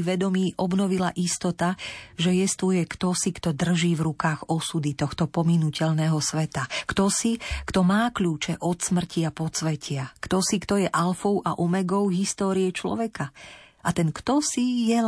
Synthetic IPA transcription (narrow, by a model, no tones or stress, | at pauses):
ʋɛd̪ɔmiːʔɔbnɔʋilaʔist̪ɔt̪aʒɛjɛst̪ujɛkt̪ɔsikt̪ɔd̪r̩ʒiːvɾukaːɣɔsud̪it̪ɔxt̪ɔpɔminucɛʎnɛɦɔsʋɛt̪akt̪ɔsikt̪ɔmaːkʎuːt͡ʃɛʔɔt̪smr̩ciapɔt͡sʋɛcɪakt̪ɔsikt̪ɔjɛʔalfɔʊʔaʔɔmɛɡɔʊɦist̪ɔːɾiɛt͡ʃlɔ̰ʋɛka | ʔat̪ɛnkt̪ɔsijɛ